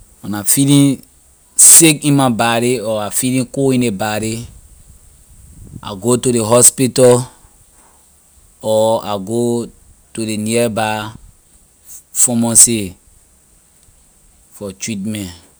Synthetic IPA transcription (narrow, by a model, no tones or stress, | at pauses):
ɔnafilĩn | sekĩnmabaɾiɔafilĩkuĩnebaɾi | a̰ɡotudeɦɔspitɔ | ɔa̰ɡo | tudeniɛba | fɔmɔ̃se | fɔt͡ʃit̚mɛ̃n